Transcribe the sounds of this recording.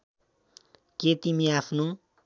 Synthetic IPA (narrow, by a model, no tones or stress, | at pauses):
ket̪imiapʰno